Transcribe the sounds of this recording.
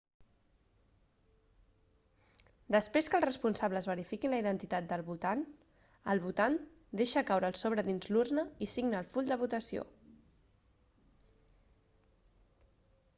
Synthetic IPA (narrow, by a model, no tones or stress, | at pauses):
d̪əspɾeskəlˠrəspunsaβləzβəɾifikinləiðənt̪it̪at̪̚d̪əlˠβulˠt̪an | əlˠβut̪an | d̪eʃəkawɾəːlˠsoβ̞ɾəðinzlurnəisiɡnəːlˠfuʎd̪əβ̞ut̪əsio̰